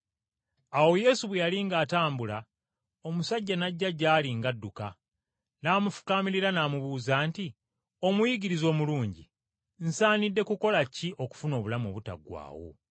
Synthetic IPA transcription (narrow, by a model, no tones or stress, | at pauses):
awo̞je̞ːsuβwejaliŋɡaːtaːmbula | o̞musaɟːanaɟːaɟːaːliŋɡadːuka | naːmufu̥kamiɾiɾanaːmuβuːzaːnti | o̞mujiɡiɾizo̞ːmuluːɲɟi | n̩saːnidːe̞kuko̞lacːiʔo̞ku̥funo̞ːβulamo̰βuta̰ɡwa̰ːwo̞̰